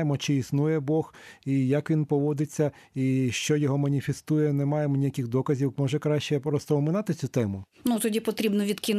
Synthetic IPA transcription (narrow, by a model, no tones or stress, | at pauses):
jemɔt͡ʃɪisnujɛbɔxijɐkʋʲinpɔʋɔd̪ɪt͡sʲːɐ | iʃt͡ʃɔjɔɦɔmɐnʲifʲest̪ujɛnɛmɑjemɔnʲijɐkixd̪ɔkɐzʲiwmɔʒɛkɾɑʃt͡ʃɛpɾɔst̪ɔmɪnɑt̪ɪt͡sʲut̪ɛmʊ | nut̪ɔdʲipɔt̪ɾʲibnɔʋʲid̪kʲin